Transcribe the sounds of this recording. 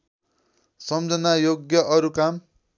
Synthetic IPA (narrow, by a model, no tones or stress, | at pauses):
sʌmd͡zʌnajoɡjʌʔʌɾukam